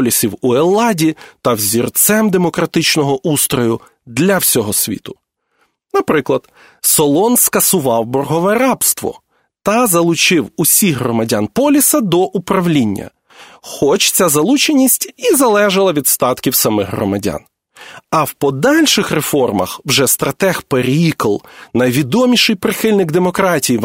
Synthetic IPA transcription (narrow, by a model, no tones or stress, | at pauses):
lʲisʲiwuelˠːɑdʲit̪ɐwzʲirt̪sɛmd̪emɔkɾɐt̪ɪt͡ʃnɔɦɔʔust̪ɾɔjʊ | d̪lʲɐwsʲɔɦɔsʲʋʲḭt̪ʊ̥ | nɐpɾɪklˠɐd̪̥ | sɔlˠɔnskɐsʊʋɑwbɔrɦɔʋɛɾɑbst̪ʋɔ̰ | t̪ɐzɐlˠʊt͡ʃɪwusʲixɦɾɔmɐdʲanpɔlʲisɐd̪ɔʔupɾɐwlʲinʲːɐ̰ | xɔt͡ʃt͡sʲazɐlˠut͡ʃenʲisʲtʲizɐlˠɛʒɪlˠɐʋʲid̪st̪ɑt̪kʲiwsɐmɪɣɦrɔ̰mɐdʲa̰n | ɐwpɔd̪ɑlʲʃɪxrefɔrmɐ̰xwʒɛst̪ɾɐt̪ɛxpeɾʲikɔlˠnɐjʋʲid̪ɔmʲiʃɪjpɾɪxɪlʲnɪɡd̪emɔkɾɑtʲiji